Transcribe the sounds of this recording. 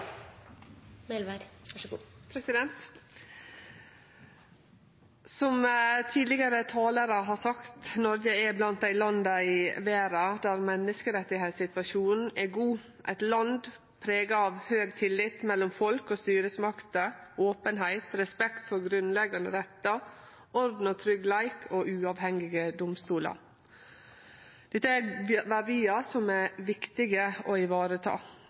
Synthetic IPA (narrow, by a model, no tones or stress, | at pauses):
mɛl | pʰɾɛsɪd̪ɛnt̪ | sɔmt̪ʰiːd̪lɪɡəɾət̪ʰɑːləɾəɦɑsɑkt̪nɔɾɡəɛblɑnt̪æɪlɑnd̪ɑɪʋeːɾɑd̪æɾmɛnːəskəɾɛt̪ːɪhæɪt̪sɪt̪ʋɑʃuːnn̩ɛɡuː | ʔæ̰ɪt̪lɑnd̪ | pʰɾeːɡɑɑʋhøːɡt̪ʰɪlːɪt̪mɛlːɔmfɔlkɔst̪yːɾəsmɑkt̪əoːpənɦæɪt̪ɾɛspɛkt̪fɔɾɡɾʉnlɛɡɑnə̰ɾɛt̪ːɑ | ʔɔɾd̪n̩ɔt̪ʰɾʏɡlæɪkʰoʔʉːɑʋhɛŋɪɡəd̪ʊmst̪uːlɑ̰ɾ | d̪̥ɛt̪ːəæʋɑd̪iːɑsɔmɛʋɪkt̪ɪɡəoɪʋɑːɾət̪ʰɑ̰ː